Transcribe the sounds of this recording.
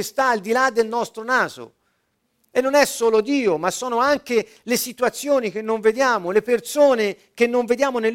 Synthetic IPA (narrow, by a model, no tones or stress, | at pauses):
st̪aːld̪ilad̪ːelnɔst̪ɾonaːzo̰ | enːonɛsːoːlod̪iːomasːɔːnoaŋke | lesit̪uat̪sːjoːnik̟enːoɱved̪jaːmolepersoːne | k̟enːoɱved̪jaːmonel